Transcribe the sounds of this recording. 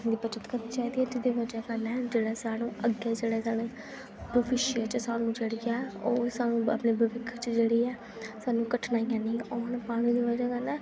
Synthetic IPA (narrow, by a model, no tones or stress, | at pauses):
d̪iːbət͡ʃət̪kəɾniːt͡ʃaːiːd̪iːɛd͡ʒɪd̪eːʋəd͡ʒɛːkəɾnɛːd͡ʒeːɽɛːsaːɽũːʔəɡːeːd͡ʒeːɽɛːsaːɽ̃eː | bəʋɪʃɪət͡ʃsaːnũːt͡ʃəɽɡjaːoːsaːnũːə̰pneːbəʋɪkʰːt͡ʃd͡ʒeːɽiːɛː | saːnũːkəʈʰnaːijãːnĩːɔːnpaːɽ̃iːd̪iːʋəd͡ʒaːkəɾnɛː